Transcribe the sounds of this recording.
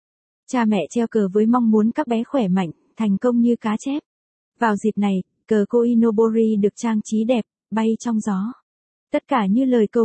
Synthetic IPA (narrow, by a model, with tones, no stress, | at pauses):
t͡ɕaː˧mɛ̰˧˨t͡ɕɛ˧wkəː˨˩vəː˨˦jmɔ˧wŋ͡mmu˨˦ənkaː˦˥k̚ɓɛ˨˦xwɛ˧˩ma̰˧˨jŋ̟t̪ʰa˨˩jŋ̟kə˧wŋ͡mɲɨ˧kaː˨˦t͡ɕɛ˦˥p̚ | vaː˨˩wzi˨˩t̚na˨˩j | kəː˨˩ko˧ʔi˧no˧ɓo˧zi˧ɗɨ˨˩ək̚t͡ɕaː˧ŋt͡ɕi˨˦ɗɛ˨˩p̚ | ɓa˧jt͡ɕɔ˧wŋ͡mzɔ˨˦ | t̪ə˦˥t̚kaː˧˩ɲɨ˧ləː˨˩jkə˧˩w